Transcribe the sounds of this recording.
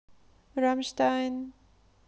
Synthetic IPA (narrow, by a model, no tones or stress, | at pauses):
ɹamstãɪn